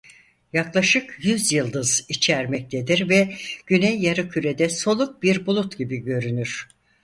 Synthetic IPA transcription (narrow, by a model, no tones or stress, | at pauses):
jaklˠaʃɯkjyzjɯlˠd̪ɯzit͡ʃʰæɾmɛc̚t̪ʰed̪iɾvɛɟ̥ynɛjːaɾɯcʰyɾed̪ɛso̞lˠuk̚biɾbulˠut̪ɟibiɟø̞ɾynyɾ̥